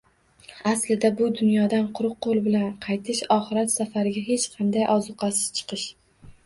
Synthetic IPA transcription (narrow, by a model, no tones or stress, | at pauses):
aslɪd̪abʊd̪ʊnjɒd̪anqʰʊɾʊq̚qːolˠbɪlanqʰɑjt̪ʰɪʃɒχɨɾat̪safaɾɪɡʲaɦe̞t͡ʃqʰɑnd̪ajʔɒzʊqʰɑsɪ̥ʃt͡ʃʰɨ̥qɨʃ